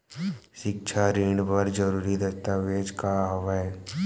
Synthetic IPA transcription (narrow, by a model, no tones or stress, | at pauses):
ʃɪk̚ʃʰaɾiːɳɖbɐɾd͡ʒəɾuːɾid̪ɐst̪aʋeːd͡ʒkaɦoʋaɛ